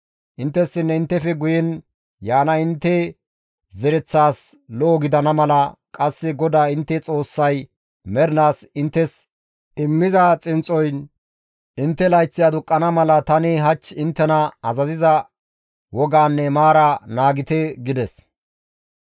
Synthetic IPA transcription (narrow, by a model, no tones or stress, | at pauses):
ʔɪnt̪ːɛsːɪnːɛɪnt̪ːɛfɛɡʊjɛn | jaːnɐɪnt̪ːɛ | zɛɾɛt͡sːaːslɔːɡɪd̪ɐnɐmɐlɐkʼɐsːɪɡɔd̪aːɪnt̪ːɛt͡sʼo̞ːsːɐj | mɛɾɪnaːsɪnt̪ːɛs | ʔɪmːɪzɐt͡sʼɪnt͡sʼɔjn | ʔɪnt̪ːɛlɐjt͡sːɪjaːd̪ʊkʼːɐnɐmɐlɐt̪ɐnɪɦɐt͡ʃːɪnt̪ːɛnɐɐzɐzɪzɐ | wɔɡaːnːɛmaːɾɐnaːɡɪt̪ɛɡɪd̪ɛs